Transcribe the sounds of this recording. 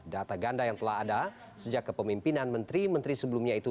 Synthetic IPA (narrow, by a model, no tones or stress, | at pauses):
dat̪aɡandajaŋt̪əlahada | səd͡ʒakːəpəmimpinanmənt̪ɾimənt̪ɾisəbəlumɲait̪u